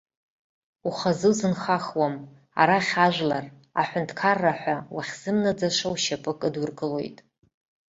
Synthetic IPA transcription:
uχazɨwzɨnχaχwam | a̰ɾaχʲaʒʷlar | aħʷʊntʰkʰarːaħʷᶣawaχʲz̥ɨmnad͡zaʂawʃapʼɨkʼɨdʊrkʼɨlo̞jtʼ

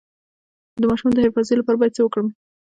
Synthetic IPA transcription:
d̪əmɑʃumd̪əheɾfɑzelapɑɾabɑjad̪̚t͡səwəkɽəm

